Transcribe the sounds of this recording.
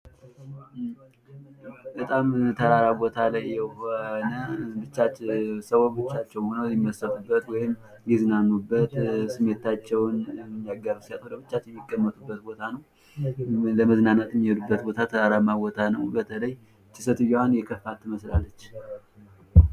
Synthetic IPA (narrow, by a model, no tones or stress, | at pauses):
bət̪ʼamt̪ʰəɾaɾabo̞t̪ʰalajːɛhonəbɨt͡ʃːat͡ʃːsəwobɨt͡ʃːat͡ʃːɛwhonəwɪmːəsəfubːət̪wɔjɪm | jɛznanːubːət̪sɨme̞t̪at͡ʃːɛwnmːijaɡaɾɨsat̪hod̪əbɨt͡ʃːat͡ʃːɛjmːikʼːəmːət̪ʼubːət̪̚bo̞t̪ʰanəw | ləməznanːət̪ɪmːihɛd̪ubːət̪bo̞t̪ʰat̪ʰəɾaɾamabot̪ʰanəwbət̪ʰələj | t͡ʃɪsət̪ɨjoanjɛkʰəfat̪ʰːɨməslalːət͡ʃː